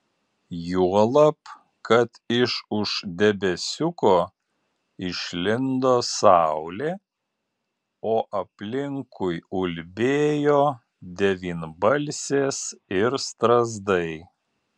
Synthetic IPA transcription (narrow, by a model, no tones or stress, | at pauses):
juɔlˠɐp | kɐt̪ɪʃʊʃd̪ʲɛbʲɛsʲʊkoː | ɪʃʲlʲɪnd̪oːsɑˑʊlʲeː | oːʔɐpʲlʲɪŋkʊjʊlʲbʲeːjoː | d̪ʲɛʋʲiːnbɐlʲsʲeːsɪɾst̪ɾɐzd̪ɐɪ